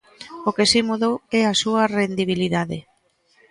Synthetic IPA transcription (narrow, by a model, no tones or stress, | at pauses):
okesimuðowɛasuɐrend̪iβ̞iliðaðɪ